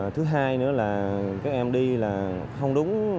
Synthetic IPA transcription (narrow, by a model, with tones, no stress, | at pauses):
t̪ʰɨ˨˦ɦaː˧jnɨ̰˧˥əlaː˨˩kaː˦˥k̚ʔɛ˧mɗi˧laː˨˩xə˧wŋ͡mɗʊ˨˦ŋ͡m